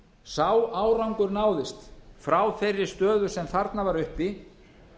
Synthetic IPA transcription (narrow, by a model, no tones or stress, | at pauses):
saːwaːwɾawŋkʏɾnaːwðɪst̪fɾaːwfɛrːɪɾ̥st̪œːðʏ̥sɛmθaɾt̪navaɾʏhpi